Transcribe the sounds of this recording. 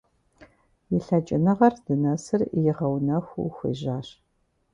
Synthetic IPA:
jɪɬɐt͡ʃʼɪnɐʁɐrd̥ɨnɐsɨrjɪʁɐwnɐxʷṵxʷḭʒaːɕ

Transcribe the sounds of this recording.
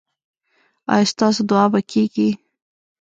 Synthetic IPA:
ɑ̰jɑst̪ɑsod̪ʊɑbakʰeɡi

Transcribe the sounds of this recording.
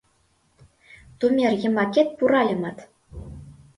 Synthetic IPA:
t̪umʲerʲjɘ̆mɑkʲet̪̚puɾɑlʲɤ̆mɑt̪

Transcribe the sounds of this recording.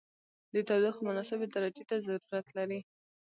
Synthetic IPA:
d̪ət̪ɑwlixmʊnɑsɪbed̪aɾad͡ʒet̪azaɾuɾat̪laɾi

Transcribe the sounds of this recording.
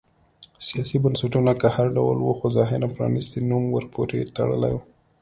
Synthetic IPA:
sijɑsibənsaʈunakahaɾɖa̰wlwuxozɑɦɪɾampɾɑ̰nist̪enumwəɾpoɾet̪a̰ɽə̰la̰ju

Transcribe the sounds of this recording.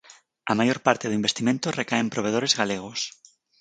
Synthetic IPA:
amajoɾpaɾt̪eðʊimbest̪imẽnt̪ʊrekaempɾoβ̞eð̞oɾezɣaleɣ̞ʊs

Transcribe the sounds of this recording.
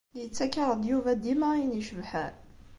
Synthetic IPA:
jət͡sːækːɑɾˤəd̪ˤjuvæd̪imaniʃəvħæn

